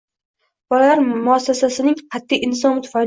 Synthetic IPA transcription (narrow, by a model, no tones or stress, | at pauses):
b̥ɒlaaɾmʊasːasasɪnɪŋqʰɑt̪ʰːijʔɪnsɒnt̪ʰʊ̥fal